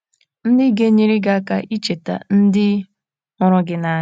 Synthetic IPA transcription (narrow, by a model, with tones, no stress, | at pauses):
n̩˦dɪ˦ɡe˦ɲi˦ɾi˦ɡa˦ka˨ʔi˦t͡ʃe˨ta̰˨n̩˦dɪ˦ | ɔ˨ɾʊ˦ɡɪ˦na˨˦